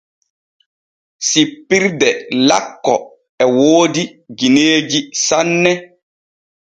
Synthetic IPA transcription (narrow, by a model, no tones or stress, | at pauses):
sipːiɾdɛlakːɔ̰ | ɛwoːdiɡineːd͡ʒisanːɛ